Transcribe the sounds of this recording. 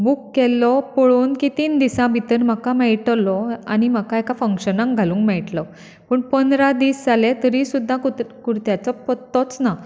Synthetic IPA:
bukːɛlːɔpɔɭuːnkit̪iːnd̪isãbʱit̪əɾm̤əkamɛɭʈlɔa̰niməkaekafəŋkɕənãŋkɡʱalũːŋkmɛɭʈlɔ | pəːɳpənd̪ɾad̪iːsd͡zalet̪əɾisud̪ʱːãkukuɾt̪jat͡sɔpət̪ːɔt͡sna

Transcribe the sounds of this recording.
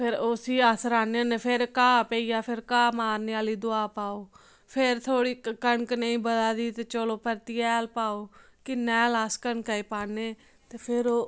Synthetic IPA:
pʰɪɾosiːasɾaːneːneːpʰɪɾkaːpeːiːjaːpʰɪɾkaːmaːɾneːaːliːd̪ʊaːpaːoː | pʰɪɾt̪ʰoːɽiːkəɳkneĩːbəd̪aːd̪iːt̪eːt͡ʃoːloːpəɾt̪iːɛːlpaːoːkɪnɛ̃ːlaːskəɳkaiːpaːneː | t̪eːpʰɪɾoː

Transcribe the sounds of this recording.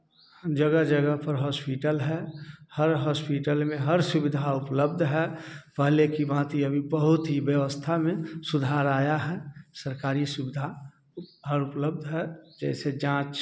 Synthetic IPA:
d͡ʒəɡəd͡ʒəɡəɦpəɾɦɔːspiʈəlɦɛhəɾɦɔːspiʈəlmẽɦəɾsʊbɪd̪ʱaʊpləb̚d̪ʱɦɛpəɦlekibãːt̪iəbʱibəɦʊt̪ɦibjəʋəst̪ʰamẽsʊd̪ʱaːɾaːjaɦɛːsəɾkaːɾisʊbɪd̪ʱa | ɦəɾʊpləb̚d̪ʱɦɛd͡ʒɛːsed͡ʒãːt͡ʃ

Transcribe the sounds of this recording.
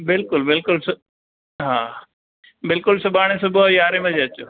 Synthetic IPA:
bɪlkʊlbɪlkʊlsʊ | ɦaː | bɪlkʊlsʊbaːɽ̃ẽsʊbʱjaːɾemẽd͡ʑeɐt͡ɕoː

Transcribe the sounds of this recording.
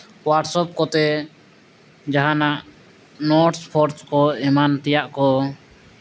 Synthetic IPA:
waʈsɔp̚kɔt̪ɛ | d͡ʒaɦanaʔ | nɔʈspʰɔɾskɔɛmant̪ɛjaʔkɔ

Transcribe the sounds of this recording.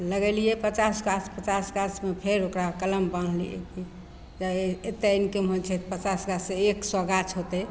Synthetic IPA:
ləɡɛlijepət͡ʃasɡaspət͡ʃasɡat͡ʃmepʰeɾokɾakələmbən̤lḭḛki | d͡ʒaet̪ːeinkimɦot͡ʃʰɛt̪pət͡ʃasɡaseeksɔɡat͡ʃʰɦot̪e

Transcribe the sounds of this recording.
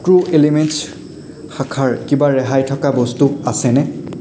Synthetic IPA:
kɹuʔeliments | xakʰaɹkibaɹɛɦajtʰɔkabɔstuasɛnɛ

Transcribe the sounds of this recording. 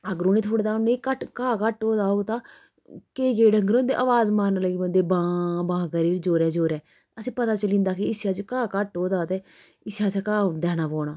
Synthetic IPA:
əɡəɾʊneːt̪ʰoːɽeːt̪aːnẽkəʈkãːkəʈoːd̪aːoːɡt̪ãː | keːɡeːɖəŋɡɾõːnd̪ḛːʔəʋaːzmaːɾnləɡiːbənd̪eːbãːbãːɡəɾiːɾd͡ʒoːɾɛːd͡ʒoːɾɛː | əsĩːpət̪aːt͡ʃəlĩːnd̪aːkɪɪsjaːt͡ʃkãːkəʈoːd̪aːt̪eː | ɪsjaːt͡ʃaːkaːd̪ɛːnaːpɔːɳaː

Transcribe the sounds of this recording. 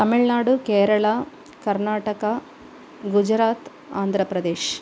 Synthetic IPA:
t̪ɐmiɭnaːɽukeːɾɐɭɐ | kɐɾnaːʈɐkɐ | ɡud͡ʒɾaːt̪ | aːnd̪ʱɾɐpɾɐd̪eːʃ

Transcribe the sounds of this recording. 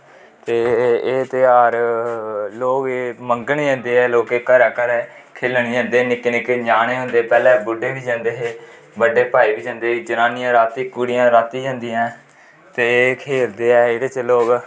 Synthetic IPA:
t̪eːeːt̪ɪaːɾ | loːkeməŋɡnid͡ʒɛ̃ːnd̪eːɛːloːkeːkəɾɛːkəɾɛːkʰeːlɳiːd͡ʒãːnd̪eːnɪknɪked͡ʒaːneːɦõːnd̪eːpɛːlɛ̃ːbʊɖeːʋiːd͡ʒãːnd̪eːɦeː | bəɖeːpaːiːbiːd͡ʒãːnd̪eːid͡ʒənaːnijãːɾaːt̪iːkuɽɪjãːɾaːt̪iːd͡ʒãːnd̪ijãː | t̪eːkʰeːɾd̪eːɛːeɽeːt͡ʃloːk

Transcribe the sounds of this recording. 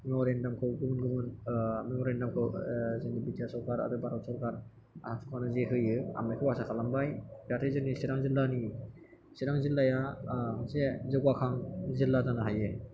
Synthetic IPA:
memɔɾendamkʰɯwɡɯmunɡɯmɯnmemɔɾendamkʰɯwzɯŋibitjasɔɾkaɾa̰dɯbaɾɔwsɔɾkaɾ | a̰sʰatʰu̥kʰanɯzeɦɯjɯa̰majkʰɯwasakʰalambajdatʰejzɯnisiɾaŋzilːani | siɾaŋzilːajasezɯɡwakʰaŋzilːadanaɦaje

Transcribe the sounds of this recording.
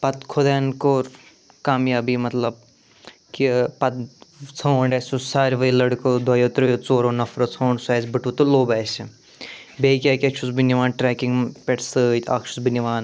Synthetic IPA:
pɐt̪kʰoːd̪aːnkoːɾ | kaːmjaːbimɐt̪lɐb̚ | kipɐt̪̚t͡sʰoːɳɖɐːsʲusaːɾʋɐilɐɽkod̪ʱwɐjoːt̪ɾojot͡soːɾoːnɐfɾot͡sʰoːɳɖsaːsbɨʈut̪oloːbaːsi | beːkʲaːkʲiɐkt͡ʃʰusbiniʋaːnʈɾɛːkiŋɡpʲeʈsɨːt̪ʲa̰ːkʃʰu̥sbiniʋaːn

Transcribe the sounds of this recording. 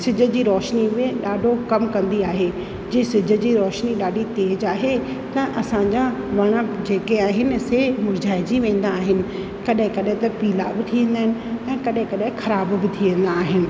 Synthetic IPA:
sɪd͡ʑʱə̆d͡ʑiːɾɔːʃnimẽɗaːɖʱokɐmkɐ̃nd̪iaːɦe | d͡ʑiːsɪd͡ʑʱə̆d͡ʑiːɾɔːʃniɗaːɖʱit̪eːd͡ʑaːɦe | t̪ɐʔɐsãɲd͡ʑaʋɐɽ̃ə̆d͡ʑeːkeaːɦɪnɪ̆semʊɾd͡ʑaːɪd͡ʑiʋẽːn̆d̪aːɦɪnɪ̆ | kɐɗɦɪ̃kɐɗɦɪ̃t̪ɐpiːla̰bɪt̪ʰiʋẽːnd̪aːɦɪ̃nɪ̆ɛ̃ːkɐɗɦɪ̃kɐɗɦɪ̃xɐɾaːbbɪt̪ʰiʋẽːn̆d̪aːɦɪnɪ̆

